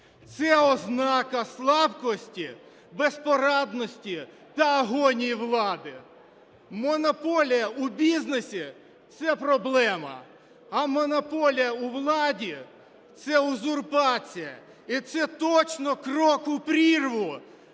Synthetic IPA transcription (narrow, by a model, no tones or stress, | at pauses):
t̪sɛɔznɑkɐslˠɑbkɔsʲtʲi | bespɔɾɑd̪nɔsʲtʲi | t̪ɐɐɦɔnʲijiʋlˠɑd̪ɪ | mɔnɔpɔlʲijɐubʲiznesʲi | t̪sɛpɾɔblˠɛmɐ̰ | ɐmɔnɔpɔlʲijɐuʋlˠɑdʲi | t̪sɛʊzʊrpɑt͡sʲijɐ | it̪sɛt̪ɔt͡ʃnɔkrɔkʊpɾʲirʋʊ